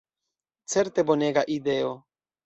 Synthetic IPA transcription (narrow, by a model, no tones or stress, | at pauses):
t͡seɾt̪eboneɡaʔid̪eo